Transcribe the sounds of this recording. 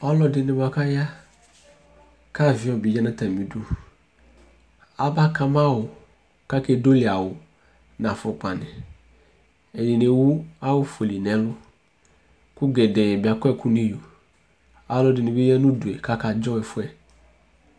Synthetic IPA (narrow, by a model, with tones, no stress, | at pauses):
a˦lɔ˦dɪ˨nɪ˨ba˨ka˦ja˦ | ka˦vɪ˨˦ɔ˨bi˨d͡ʒa˦na˦ta˨mi˨du˦ | a˦ba˦ka˨ma˦˨wʊ˨ | ka˦ke˦do˦li˨a˨wʊ˨ | na˨fʊ˨k͡pa˨nɪ˨ | ɛ˨ni˨ne˨wu˦a˦wʊ˦fo˨li˨nɛ˨˦lʊ˦ | kʊ˦ɡɛ˨dɛ˨ɛ˨bɪ˨a˨kɔ˦ɛ˦kʊ˦ni˦jo˨ | a˨˦lɔ˦dɪ˨nɪ˨bɪ˦ja˦nu˦du˨ɛ˨ka˦ka˨d͡ʒɔ˦ɛ˨fʊ˦ɛ˨